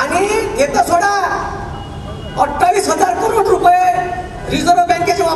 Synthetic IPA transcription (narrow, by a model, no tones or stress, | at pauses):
aniet̪osʰoɽa | əʈʰːalisɦəd͡zaɾkuɾoʈɾupəe | ɾizəɾʋəbɛ̃ŋkesũa